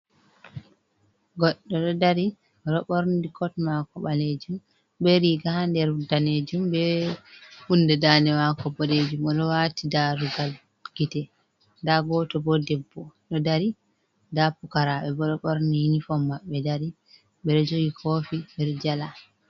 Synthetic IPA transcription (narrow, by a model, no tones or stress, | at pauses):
ɡɔɗːɔɗɔdaɾi | ɾɔɓɔɾndikʰɔtmakɔɓaled͡ʒum | bɛɾiɡahandɛɾdaned͡ʒumbɛ | undɛdanɛmakɔbɔled͡ʒumɔɗɔwatidaɾuɡal | ɡitɛ | ndaɡɔtɔbɔdɛbːɔɗɔdaɾi | dapukaɾaɓɛbɔɗɔɓɔɾnihinifɔmːaɓɛdaɾi | ɓɛɗɔd͡ʒoɡikʰoːfiɗɛɾd͡ʒala